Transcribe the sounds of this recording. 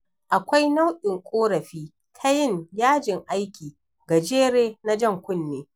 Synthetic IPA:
ʔa˨kʷa˦jna˦wɗɪ˨ŋkʷʼoː˦ɾɐ˨ɸiː˦ | tʰa˦jɪ˦˨ŋjaː˦d͡ʒɪ˨ŋʔa˦jkʲʰiː˨ | ɡa˨d͡ʒeː˦ɽeː˦na˦d͡ʒɐ˦˨ŋkʷʊ˦nːeː˨˦

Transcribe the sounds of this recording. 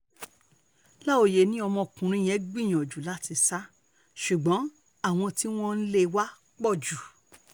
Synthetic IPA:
la˦o˧˨je˨nĩ˦ɔ˧mɔ̃˧˨kũ˨ɾ̃ũ˧˦˨j̃ɛ̃˨˦ɡ͡bĩ˦˨j̃ɔ̃˨d͡ʒu˨la˦ti˧sa˦ | ʃu˨ɡ͡bɔ̃˨˦ | a˦˨w̃ɔ̃˧ti˦w̃ɔ̃˦n̩˦le˧wa˦ | k͡pɔ˦˨d͡ʒu˨

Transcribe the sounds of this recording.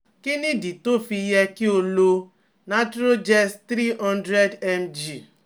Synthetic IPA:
kɪ˦ni˦di˨to˦fi˦je˦kɪ˦o˨lo˧ | na˦t͡ʃɾo˦d͡ʒɛ˦st̪ɾi˦ɔ̃˦ndɾe˦dɛ˦md͡ʒi˨

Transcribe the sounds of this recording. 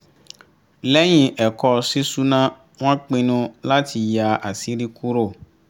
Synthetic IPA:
lɛ˦j̃ĩ˧ʔɛ˨kɔ˧si˦su˦nã˦ | w̃ã˦k͡pĩ˧nũ˧la˦ti˧ja˧a˨si˨˦ɾi˦ku˦ɾo˦˨

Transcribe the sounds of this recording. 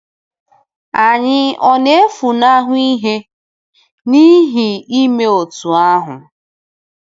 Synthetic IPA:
a˨ɲɪ˦ɔ˦ne˦e˦fu˨na˦ɦʊ˦i˦ɦe˦ | ni˦ɦi˨i˦me˦o˨tu˨a˦ɦʊ̰˨

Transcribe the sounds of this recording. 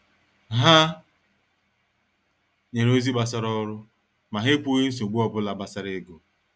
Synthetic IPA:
ɦa˦ | ɲe˨ɾo˦zi˦ba˨sa˦ɾɔ˦ɾʊ˦ | ma˨ɦe˦pu˦ɣi˦n̩˦s̬i˨o˨ɡ͡bu˦ɔ˦bʊ˦la˨ba˦sa˦ɾe˦ɡo˨

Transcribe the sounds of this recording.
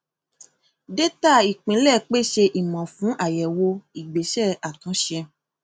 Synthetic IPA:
de˦ta˦˨i˨k͡pĩ˨˦lɛ˦˨k͡pe˦˨ʃe˧ʔi˨mã˨fũ˨˦ʔa˦˨jɛ˨wo˧i˨ɡ͡be˨˦ʃɛ˦˨a˨tũ˨˦ʃɛ˧

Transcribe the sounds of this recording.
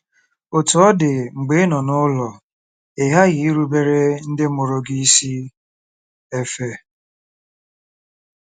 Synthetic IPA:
o˨tu˨ɔ˦dɪ˨ŋ͡m̩˨ɡ͡be˨˦nɔ˨nʊ˦lɔ˨ | e˨ɦa˦ɣɪ˨i˦ɾu˦be˦ɾe˦n̩˦dɪ˦mʊ˨ɾo˦ɡi˦i˦si˦ | e˦fe˦

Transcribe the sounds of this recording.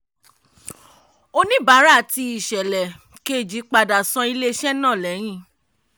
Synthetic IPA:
o˦nĩ˦ba˨˦ɾa˦˨ti˧i˨ʃɛ˨lɛ˨ | ke˦˨d͡ʒi˨˦k͡pa˧da˨sɔ̃˧i˧le˦ʃɛ˦nã˦˨lɛ˨˦j̃ĩ˦˨

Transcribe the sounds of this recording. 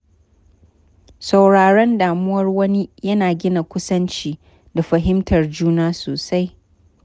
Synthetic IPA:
sɐ˨wɽaː˨ɽɛ˦ndaː˨mʊ˦wɐ˦rwɐ˦ni˦jɐ˦naː˨ɡʲɪ˦na˨kʷʊ˦sɐ˦nt͡ʃiː˦ | da˨ɸɐ˨ɦɪ˦mtʰɐ˨rd͡ʒuː˦naː˦soː˨sa˦j

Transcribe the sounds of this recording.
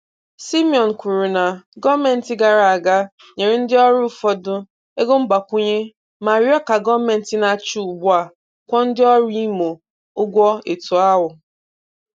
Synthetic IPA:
si˦mi˨ɔ˨n̩˨kʷu˨ɾu˨na˨ɡɔ˦me˨n̩˨tɪ˦ɡa˨ɾa˨a˨ɡa˦ | ɲe˨ɾi˦n̩˦dɪ˦ɔ˦ɾʊ˦fɔ˦dʊ˦ | e˦ɡo˦m̩˦ɡ͡ba˨kʷʊ˦ɲe˦ | ma˨ɾjɔ˦ka˨ɡɔ˦me˨n̩˨ti˨na˨t͡ʃu˦˨ɡ͡bʊ˦a˨ | kʷɔ˦n̩˦dɪ˦ɔ˦ɾi˦i˦mo˨ | ʊ˦ɡʷɔ˦e˨tu˨a˦ɦʊ˨

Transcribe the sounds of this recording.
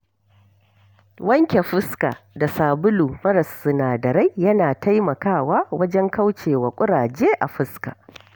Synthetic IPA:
wɐ˦ŋkʲe˨ɸɪ˦ska̰˨da˨saː˨bʊ˦luː˨mɐ˦ɾɐ˨sːʊ˨naː˨dɐ˨ɾa˦jjɐ˦naː˨ta˦jmɐ˨kaː˦˨waː˦wɐ˦d͡ʒɛ˦ŋka˦wt͡ʃeː˨wa˨kʷʼʊ˦ɽaː˨d͡ʒeː˦ʔa̰˨ɸɪ˦ska̰˨

